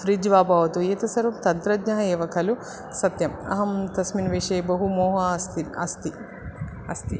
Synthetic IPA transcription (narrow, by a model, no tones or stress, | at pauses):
fɾid͡ʒʋaːbaːʋɐt̪ueːt̪ɐsɐɾumt̪ɐnt̪ɾɐɡɲɐɦɐeːʋɐkʰɐlu | sɐt̪jɐmɐ̰ɦɐmt̪ɐsminʋeʂeːbɐɦumoːɦɐɐst̪iɐst̪i | ɐst̪i